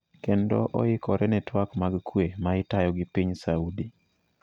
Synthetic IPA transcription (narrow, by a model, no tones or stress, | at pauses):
kendɔʔɔ̰ɪkɔɾɛnɛtwakmaɡkwemaɪtajɔɡɪpiɲsaudi